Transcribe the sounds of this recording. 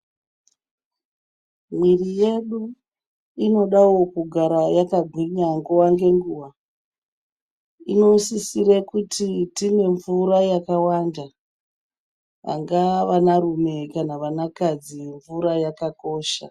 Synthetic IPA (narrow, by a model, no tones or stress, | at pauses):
mwirije̞ɗu | ino̞ɗawo̞kuɡʱaɾajakaɡʱwiɲaŋɡuwaŋɡe̞ŋɡuːʋa | ino̞sisiɾekutʰitine̞ɱvuɾajakawanda | ʋa̰ŋɡaʋanarume̞kanaʋanakad͡ziɱvuɾajakako̞ːʃa̰